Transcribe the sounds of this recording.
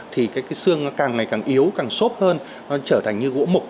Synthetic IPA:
t̪ʰi˨˩kaː˨˦jkaː˨˦jsɨ˧əŋnɔ˨˦kaː˨˩ŋːa˨˩jkaː˨˩ŋʔi˨˦əwkaː˨˩ŋso˦˥p̚həː˧n | nɔ˨˦t͡ɕəː˧˩t̪ʰa˨˩jŋ̟ɲɨ˧ɣo̰˧˥mʊ˨˩k͡p̚

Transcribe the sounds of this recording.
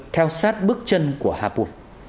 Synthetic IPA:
t̪ʰɛ˧wsaː˦˥t̚ɓɨ˦˥k̚t͡ɕə˧nku˧˩əhaː˧˩pṵ˨˩

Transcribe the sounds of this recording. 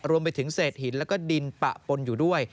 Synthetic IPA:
ɾu˧əmp̬a˧jt̪ʰɯ˩˦ŋseː˨˩t̪̚hi˩˦nlɛ˦˥wkɔː˥˩di˧npa̰˨˩ʔpo˧njuː˨˩du˥˩əj

